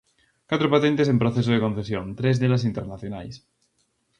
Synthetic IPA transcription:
kwat̪ɾopat̪ent̪es̬empɾoθes̬oð̞ekõn̟θesjõnt̪ɾezðelas̬int̪eɾnaθjona̰js

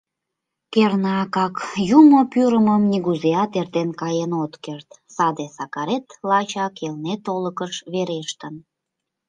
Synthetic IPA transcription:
kernɑkɑkjumopyɾəməmniɣuzeɑt̪ert̪enkɑjenot̪kert̪sɑd̪esɑkɑɾet̪lɑt͡ɕɑkelnet̪oləkəʃβeɾeʃt̪ən

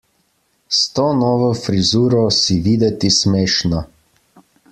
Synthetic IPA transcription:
st̪ɔːnɔːʋɔfɾizuːɾɔsiʋiːd̪ɛt̪ismeːʃna

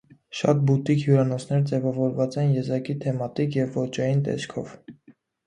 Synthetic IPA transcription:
ʃɑ̰t̪̚but̪ikhjuɾɑnɔt͡sʰnɛɾd͡zɛvɑvɔɾvɑt͡sɛnjɛzɑkit̪ʰɛmɑt̪ikjɛvːɔt͡ʃɑjint̪ɛ̰skʰɔ̰v

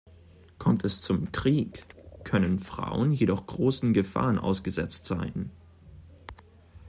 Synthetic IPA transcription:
kʰɔmtʰɛst͡sʊmkʁ̥iːkʰːœnənfʁ̥a̰ʊənjedɔχɡ̥ʁoːsn̩ɡəfa̰ːʁənʔa̰ʊsɡ̥əzɛt͡stz̥a̰ɪn

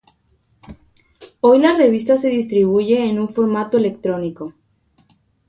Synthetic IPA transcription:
o̞jlare̞βist̪ase̞ðist̪ɾiβ̞uʝe̞ːnuɱfo̞ɾmat̪o̞elekt̪ɾo̞niko̞

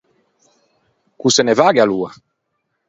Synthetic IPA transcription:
kusɛnɛvaɡealua

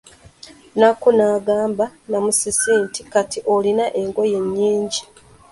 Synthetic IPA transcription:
nakunaːɡaːmbanamusisiːntikatiʔolinaʔe̞ŋɡo̞je̞ɲːiːɲɟi

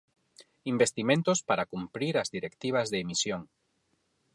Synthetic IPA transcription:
imbest̪imẽnt̪ospaɾakumpɾiɾazðiɾekt̪iβ̞azðeːmisjoŋ

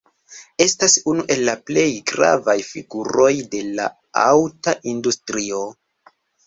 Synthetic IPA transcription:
e̞stasunuʔe̞lːaple̞jɡɾa̰vajfḭɡuɾo̞jde̞la̰ | a̰wtaʔindustɾio̞

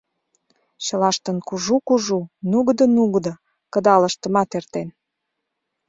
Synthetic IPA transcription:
ɕəlɑʃt̪ənkuʒukuʒunuɣd̪ə̆nuɣd̪ə̆ | kə̆d̪ɑlə̆ʃt̪ə̆mɑt̪ert̪en

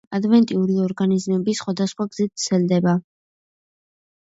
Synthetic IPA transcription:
ad̪vɛnt̪ʼiuɾiɔɾɡanizmɛbisχwad̪asχwaɡz̥it̪̚ʰsʰɛld̪ɛba

